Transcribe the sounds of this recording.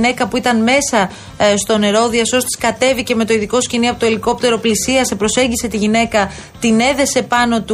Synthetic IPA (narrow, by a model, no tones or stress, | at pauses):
ne̞kɐpuit̪ɐnme̞sɐ | st̪o̞ne̞ɾo̞ðiɐso̞st̪i̥skɐt̪e̞viceme̞t̪o̞iðiko̞sciniɐpot̪o̞iliko̞p̚t̪e̞ɾo̞plisiɐsepɾo̞se̞ɲɟiset̪iʝine̞kɐ | t̪ine̞ðe̞se̞pɐno̞t̪u